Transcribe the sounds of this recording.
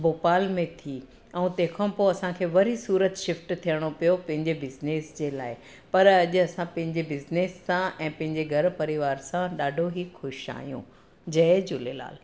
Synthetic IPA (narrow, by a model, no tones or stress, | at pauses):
boːpaːlmẽt̪ʰi | ɛ̃ũt̪ẽːkʰãpoːɐsãkʰeːʋɐɾisuːɾət̪ʃɪfʈt̪ʰijəɽ̃opijopɐ̃ɦɪ̃ɲd͡ʑebɪzneːsd͡ʑeːlaːɪ | pɐɾɐʄʊ̆ɐsãpɐ̃ɦɪ̃ɲd͡ʑebɪzneːsːãɛ̃ːpɐ̃ɦɪ̃ɲd͡ʑeɡʱɐɾpɐɾiʋaːɾsãɗaːɖʱoɦixʊʃa̰ːɦijṵ̃ | d͡ʑɐed͡ʑʊlela̰ːl